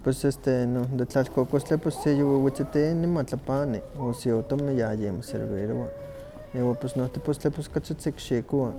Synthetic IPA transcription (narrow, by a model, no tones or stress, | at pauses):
pesest̪enod̪et͡ɬalkokost͡ɬeposːejowiwit͡sit̪inimat͡ɬapaniosiot̪omnijajemosḛɾbḭɾoa | iːwaposnoht̪epost͡ɬeposkat͡sit͡sikʃikoa